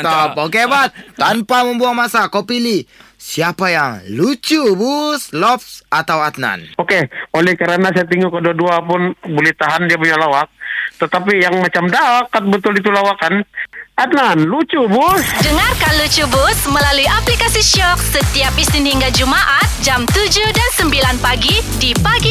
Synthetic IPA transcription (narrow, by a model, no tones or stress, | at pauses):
t̪ɔpokebat̪ːampaməmbuaŋmasakopilisiapajaŋlut͡ʃubuslɔpsat̪awat̪̚na̰nokeolɛhkəɾanas̬ajat̪̬iŋɡukədoduapʊnbulit̪aɦandiap̬uɲalawak̚t̪ət̪apijaŋmat͡ʃamdakat̪̚bət̪ʊlit̪̬ulawakanat̪̚nanlut͡ʃubʊsdəŋarkanlut͡ʃubʊsməlaluiʔaplikasiʃɔk̚sət̪iapisinhiŋɡad͡ʒumaʔat̪̚d͡ʒamt̪ud͡ʒudansəmbilanpaɡidipaɡi